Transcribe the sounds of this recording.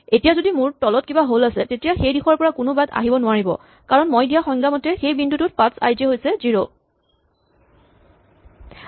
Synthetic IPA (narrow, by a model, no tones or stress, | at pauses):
etijazodimʊɹtɔlɔt̚kibaɦolasɛtetijaxejdixɔɹpɔɹakʊnʊbada̰ɦibɔnʊwaɹibɔ̰ | kaɹɔnmojdijaxɔŋɡamɔtɛxejbindutʊt̚pãsa̰jzɛɦojsɛziɹo